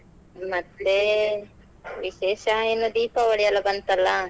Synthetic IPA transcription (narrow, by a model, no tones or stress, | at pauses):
mɐt̪ːe | ʋiʃeːʃɐeːnud̪iːpɐʋɐɽijɐlːɐbɐnt̪ɐlːɐ